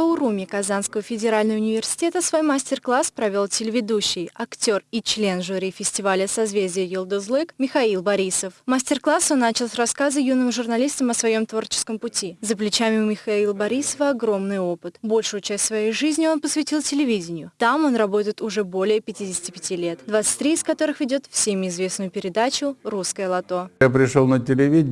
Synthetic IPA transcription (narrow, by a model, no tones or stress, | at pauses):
əʊɾumʲɪkɐzanskəvəfʲɪdʲɪɾalʲnəjəʊnʲɪvʲɪrsʲɪ̥tʲe̞t̪əsvojmasʲtʲɪrklˠaspɾɐvʲo̞lˠtʲɪlʲɪvʲɪd̪uɕːɪjɐktʲo̞rit͡ɕlʲe̞nʐuɾʲifʲɪsʲtʲɪvalʲəsɐzvʲezʲdʲɪjəjɪlˠd̪əzlˠɨkmʲɪxɐilˠbɐɾʲisəfmasʲtʲɪrklˠaso̞nːat͡ɕɪlˠsʲrɐskazɨjunɨmʐʊrnɐlʲist̪əmɐsvɐjo̞mt̪vo̞rt͡ɕɪ̥skəmpʊtʲizəplʲɪt͡ɕamʲɪmʲɪxailˠəbɐɾʲisəvəɐɡɾo̞mnɨjo̞pɨt̪bo̞lʲʂʊjʊt͡ɕæsʲtʲsvɐjejʐɨzʲnʲɪo̞npəsvʲɪtʲilˠtʲɪlʲɪvʲidʲɪnʲɪjʊt̪amo̞nrɐbo̞t̪əɪt̪ʊʐɛbo̞lʲɪjəpʲɪtʲidʲɪsʲɪ̥tʲɪpʲɪtʲilʲe̞t̪d̪vat̪sɨ̥tʲt̪ʲːɾʲiɪskɐt̪o̞ɾɨxvʲɪdʲo̞t̪fsʲemʲɪɪzvʲe̞snʊjʊpʲɪɾʲɪd̪at͡ɕʊruskəjəlˠɐt̪o̞japɾʲɪʂolˠnətʲɪlʲɪvʲi